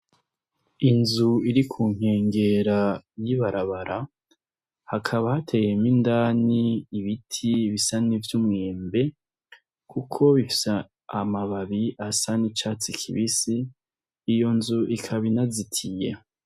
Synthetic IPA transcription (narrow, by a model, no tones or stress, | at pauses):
inzuiɾikʰuːŋ̥he̞ːŋɡe̞ɾajiβaɾaβaɾʔa | hakʰaβahatʰe̞jemindaːniːβitʰiβisanivjumŋeːmbe̞ | kʰukʰo̞βifi̥sa | amaβaβiʔasanit͡ʃaːt͡sikʰḭβisiː | jo̞nzuʔikʰaβinazitʰije